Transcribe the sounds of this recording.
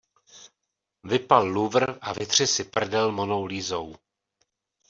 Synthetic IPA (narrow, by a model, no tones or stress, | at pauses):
vɪpalːuvr̩ʔavɪt̪r̝̥ɪsɪpr̩dɛlmonowliːzow